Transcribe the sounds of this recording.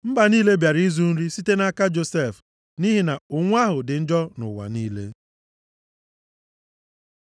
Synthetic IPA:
m̩˦ba˨niː˦le˦bja˨ɾi˦zu˦n̩˦ɾi˦si˦te˦na˦ka˦d͡ʒo˨se˦˨f | ni˦ɦi˨na˨ʊ˨ŋʷ˦a˦ɦʊ˨dɪ˨n̩˦d͡ʒɔ˦nʊ̰˨wa̰˨ni˦le˦

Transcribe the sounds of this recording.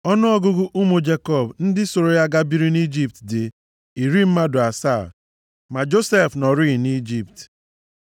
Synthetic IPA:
ɔ˦nʊ˦ɔ˦ɡʊ˦ɡʊ˦ʔu˦mo˨d͡ʒe˦kɔ˦˨bn̩˦dɪ˦so˨ɾo˨ja˦ɡa˦bi˦ɾi˦ni˦d͡ʒi˦p̚tdɪ˨ | i˨ɾi˦m̩˦ma˦dʊ˨a˨sa˦˨ | ma˨d͡ʒo˦se˦˨fnɔ˨ɾi˦˨ni˦d͡ʒi˦˨p̚t

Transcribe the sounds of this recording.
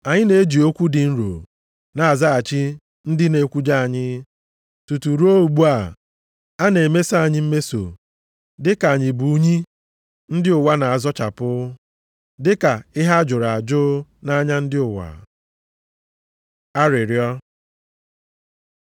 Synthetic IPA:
a˨ɲɪ˦ne˨e˦d͡ʒi˨o˦kʷu˦dɪ˨n̩˦ɾo̰˨ | na˨a˨za˦a˨t͡ʃi˦ | n̩˦dɪ˦ne˨kʷu˦d͡ʒa˦a˨ɲɪ˦ | tu˨tu˨ɾu˦o˦u˨ɡ͡bu˦a˨ | a˦ne˨e˨me˦sa˦a˨ɲɪ˦m̩˦me˦so̰˨ | dɪ˦ka˨ɲɪ˨bu˨˦ɲi˦ | n̩˦dɪ˦ʊ˨wa˦na˨a˨zɔ˦t͡ʃa̰˨pʊ˦ | dɪ˦ka˨ɪ˦ɦa˦d͡ʒʊ˨ɾa˨a˨d͡ʒʊ˦na˦ɲa˦n̩˦dɪ˦ʊ˨wa̰˨ | a˦ɾɪ˨ɾjɔ˦

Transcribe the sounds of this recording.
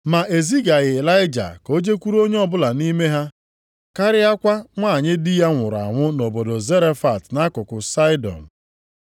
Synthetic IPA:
ma˨ʔe˨zi˦ɡa˨ɣɪ˨la˦ɪ˦d͡ʒa̰˨ko˦d͡ʒe˦kʷu˦ɾu˦o˦ɲe˦ɔ˦bʊ˦la˨ni˦me˦ɦa˦ | ka˦ɾɪ˦a˦kʷa˦ŋʷa˦˨ɲɪ˦dɪ˦ja˦ŋʷʊ˨ɾa̰˨ŋʷʊ˦no˨bo˨do˨ze˦ɾe˦fa˨tna˦kʊ˨kʊ˨sa˦ɪ˦dɔ̰˨n̩˨

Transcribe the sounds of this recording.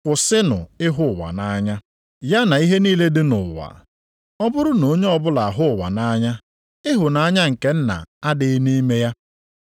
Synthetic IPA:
kʷʊ˨sɪ˦nʊ̰˨ɪ˦ɦʊ˦˨wa̰˨na˦ɲa˦ | ja˦na˨i˦ɦe˦niː˦le˦dɪ˦nʊ˨wa̰˨ | ɔ˦bʊ˦ɾʊ˦no˨˦ɲe˦ɔ˨bʊ˦la˨a˨ɦʊ˦˨wa̰˨na˦ɲa˦ | ɪ˦ɦʊ˨na˨a˦ɲa˦ŋ̩˨ke˦n̩˦na̰˨a˦dɪ˦ɪ˦ni˦me˦ja˦

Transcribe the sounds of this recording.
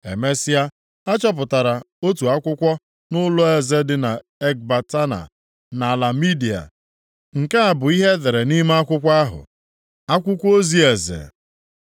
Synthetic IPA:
ḛ˨me˦sɪ˦a˦ | a˦t͡ʃɔ˦p̬ʊ˨ta˨ɾa˨ | o˦tu˨a˦kʷʊ˦kʷɔ˦ | nʊ˦lʊ˦e˨ze˦dɪ˨na˨ | e˦k̚ba˨ta˦na̰˨ | na˨la˨mi˦di˨a̰˨ | ŋ̩˨ke˦a˨bʊ˨i˦ɦe˦ðe˨ɾe˨ni˦m˦a˦kʷʊ˦kʷa˦ɦʊ̰˨ | a˦kʷʊ˦kʷo˦zi˦e˨zḛ˨

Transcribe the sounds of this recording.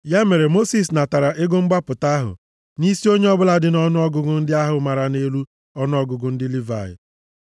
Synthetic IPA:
ja˦me˨ɾe˨mo˦si˨s̬na˨ta˨ɾa˨ʔɪ˦ɡo˦ŋ͡m̩˦ɡ͡ba˦pʊ˨ta˦ɦʊ̰˨ | ni˦si˦o˦ɲe˦ɔ˦bʊ˦la˦dɪ˦nɔ˦nʊ˦ɔ˦ɡʊ˨ɡʊ˨n̩˦dɪ˦a˦ɦʊ˨ma˨ɾa˨ne˦lu˦ | ɔ˦nʊ˦ɔ˦ɡʊ˨ɡʊ˨n̩˦dɪ˦li˦va̰˨ɪ̰˨

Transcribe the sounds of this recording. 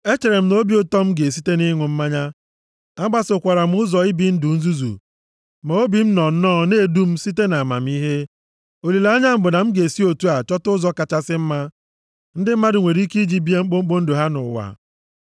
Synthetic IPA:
e˦t͡ʃe˨ɾe˨m̩˦no˦bi˦ʊ˦tɔ˦m̩˦ɡe˨si˦te˦ni˦ŋʷʊ˨m̩˦ma˦ɲa˦ | a˦ɡ͡ba˦sʊ˨kʷa˨ɾa˨m̩˦ʊ˦zɔ˨i˦bi˦n̩˦dʊ˨n̩˦zu˦zṵ˨ | ma˨o˦bi˨m̩˦nɔ˨n̩˦nɔ˦ne˦˨du˦m̩˦si˦t̬e˦na˨ma̰˨m̩˦i˦ɦe˦ | o˨li˨la˦ɲa˦m̩˦bʊ˨na˨m̩˦ɡe˨si˦o˨tu˦a˨t͡ʃɔ˦tʊ˦zɔ˦ka˨t͡ʃa˦sɪ˦m̩˦ma˦ | n̩˦dɪ˦m̩˦ma˦dɪ˨ŋʷe˨ɾi˦ki˦d͡ʒi˦bi˦e˦ŋ͡m̩˦k͡po˦ŋ͡m̩˦ɡ͡bo˦n̩˦do˨ɦa˦nʊ̰˨wa̰˨

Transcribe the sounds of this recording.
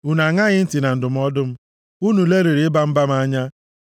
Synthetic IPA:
u˨na˨ŋa˦ɣɪ˦n̩˦ti˨na˨n̩˨dʊ˨m̩˦ɔ˦dʊ˦m̩˦ | u˦nu˨le˦ɾe˨ɾi˨˦ɪ˦ba˦m̩˦ba˦m̩˦a˦ɲa˦

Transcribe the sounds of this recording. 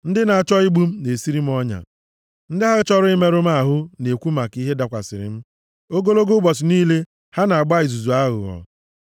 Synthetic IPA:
n̩˦dɪ˦na˨a˨t͡ʃɔ˦i˦ɡ͡bu˦m̩˦ne˨si˦ɾi˦m̩˦ɔ˦ɲa̰˨ | n̩˦dɪ˦ɦa˦ɣt͡ʃɔ˦ɾʊ˦ɪ˦me˦ɾʊ˦m̩˦a˦˨ɦʊ˦ne˨kʷu˦ma˨ki˦ɦe˦da˦˨kʷa̰˨sɪ̰˨ɾɪ̰˨m̩˦ | o˦ɡo˦lo˦ɡo˦bɔ˨sɪ˨niː˦le˦ | ha˦na˨a˨ɡ͡ba˦ɪ˨zu˨zu˨a˦ɣʊ̰˨ɣɔ̰˨

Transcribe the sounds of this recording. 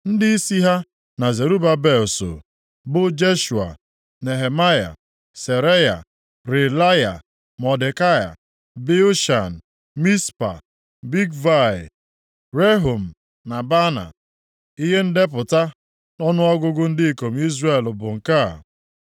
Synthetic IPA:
n̩˦dɪ˦i˦si˦ɦa˦ | na˨ze˨ɾu˦ba˦be˨so̰˨ | bʊ˦d͡ʒe˦ʃu˨a̰˨ | ne˨ɦe˨ma˦ja̰˨ | se˨ɾe˦ja̰˨ | ɾɪ˨la˦ja̰˨ | mɔ˨de˨ka˦ja̰˨ | be˦o˦ʃa˨n̩˨ | mi˦spa̰˨ | bi˦ɡva˦˨ | ɾe˦ɦo˨m̩˨ | na˨ba˦na̰˨ | i˦ɦe˦n̩˦de˦p̬ʊ˨ta˦ | nɔ˦nʊ˦ɔ˦ɡʊ˦ɡʊ˦n̩˦dɪ˦ko˨m̩˦i˦zre˦˨lʊ˨bʊ˨ŋ̩˨ka˦

